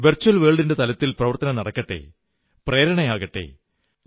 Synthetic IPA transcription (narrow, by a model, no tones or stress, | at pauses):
ʋɐrt͡ɕːuɐlʋeːɭɖinde̞t̪ɐlɐt̪ːilprɐʋɐrt̪ɐnɐnɐɽɐkːɐʈːe̞̰ | pre̞ːɾɐɳɐjaːɣɐʈːe̞̰